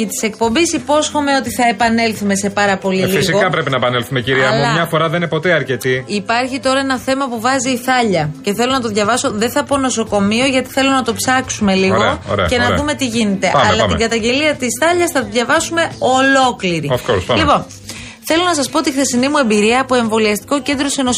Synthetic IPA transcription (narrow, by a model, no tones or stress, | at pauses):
it̪i̥se̞k̚po̞mbisipo̞sxo̞me̞o̞t̪iθɐepɐne̞lθume̞se̞pɐɾɐpo̞liliɣsiokɐpɾe̞pinɐepɐnelθumeciɾiɐlɐmɲɐfo̞ɾɐðeinepo̞t̪e̞ɐɾce̞t̪iipɐɾçit̪o̞ɾɐe̞nɐθe̞mɐpuvɐziːθɐʎɐce̞θelo̞nɐt̪o̞ðʝɐvɐso̞ðe̞θɐpo̞no̞so̞ko̞mio̞ʝɐt̪i̥θe̞lonɐt̪o̞psɐksume̞liɾɣo̰o̰ɾḛɐ̰e̞nɐð̰ðume̞t̪iʝine̞t̪e̞ʔʔɐlɐɐmiɡɐt̪ɐɲɟe̞liɐt̪isθɐʎɐsθɐt̪oðʝɐvɐsume̞o̞lo̞kliɾiofkosɐlipo̞n | θe̞lo̞nɐsɐspoot̪ixθe̞sinimue̞mbiɾiɐːpo̞e̞ɱvo̞liɐst̪i̥ko̞ce̞nd̪ɾoseno